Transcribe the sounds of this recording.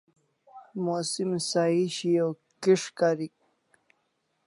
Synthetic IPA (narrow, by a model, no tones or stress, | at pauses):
mosimsaiɕijo | kiʂkaɾik̚